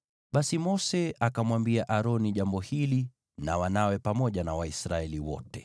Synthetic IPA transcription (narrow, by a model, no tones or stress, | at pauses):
ɓasimɔsɛakamwambiaʔaɾɔniʄambɔhili | nawanawɛpamɔʄanawaisɾaɛliwɔ̰tɛ